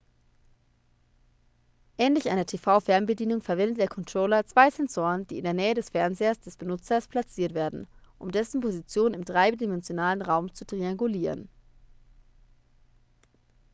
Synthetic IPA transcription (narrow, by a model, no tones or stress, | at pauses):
ʔɛːnlɪçʔaɪnɐtʰeːfaʊfɛɐmbədiːnʊŋfɛɐvɛndət̚d̥eːɐkʰɔntʁ̥oːlɐt͡sv̥aɪzɛnzoːʁənd̥iːɪndeːɐnɛːədɛsfɛɐnzeːɐsd̥ɛsb̥ənʊt͡sɐspʰl̥at͡siːɐtv̥eːɐdn̩ʔʊmdɛsn̩pʰozit͡sjoːnɪmtʁ̥aɪbədimɛnzjonaːlənʁaʊmt͡sutʁ̥iaŋɡuliːʁən